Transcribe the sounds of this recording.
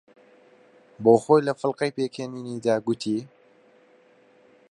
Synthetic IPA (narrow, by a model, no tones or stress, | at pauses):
boːxoːjlɐfɨlqɐjpeːkʰeːniːnid̪aːɡʊt̪ʰiː